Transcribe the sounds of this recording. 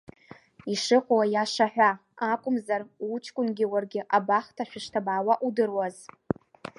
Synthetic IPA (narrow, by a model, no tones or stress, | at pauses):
iʂɨqʷʼwajaʂaħʷᶣa | akʷʼʊmzarut͡ʃʰʼkʷʼʊnɡʲɪwarɡʲɪʔabaχtʰaʃᶣaʂtʰabaːwaʔudɨrwaz